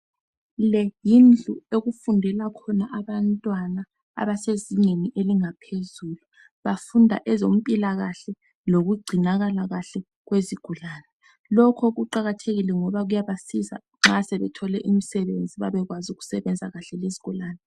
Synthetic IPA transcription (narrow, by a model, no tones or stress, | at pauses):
lɛjind͡ɮʱueɣufundʱɛlakʰɔnaʔaβantʼwana | a̰βaseziɲeniʔeliŋapʰezuːlu | βafundʱa̰ʔɛzom̩pʼilaɣaɬɛ | noɣuɡ͡ǀʱinaɣalaɣaɬɛ | ɣweziɡ̥ʱulaːnɛ | lɔkʰɔɣuǃaɣatʰeɣilɛŋɔβaɣujaβasiza̰ | ŋ͡ǁasɛβɛtʰɔlɛʔimisɛβend͡zʱiβaβɛɣwazuɣu̥sɛβɛnd͡zʱaɣaɬɛleziɡ̥ʱulaːnɛ